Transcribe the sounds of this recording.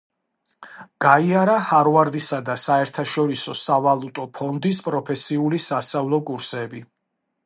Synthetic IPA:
ɡ̥aiaɾahaɾvaɾd̪isad̪asaɛɾt̪ʰaʃɔɾisɔsavalˠut̪ʼɔpʰɔnd̪is̬pʼɾɔpʰɛsiulisast̪ʼavlˠɔkʼuɾsɛbi

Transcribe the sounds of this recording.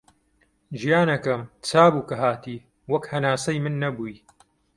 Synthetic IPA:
ʒijaːnɐkɐmt͡sʰaːbuːkɐɦaːt̪iː | wɐkhɐnaːsɐjmɨnːɐbuːj

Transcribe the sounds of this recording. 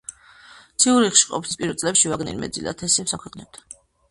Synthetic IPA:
t̪sʰiuɾiχʃi̥qʼɔp̪ʰi̥spʼiɾvɛlt̪sʼlɛpʃivaɡnḭlmɛ̰d̪zḭla̰t̪ʰɛsiɛpsakʰwɛqʼnɛb̚d̪ʰḁ

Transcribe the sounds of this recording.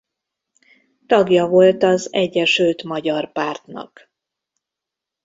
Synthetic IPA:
t̪ɒɡjɒvo̞lt̪ɒzɛɟːɛʃølt̪mɒɟɒrpaːrt̪nɒ̰k

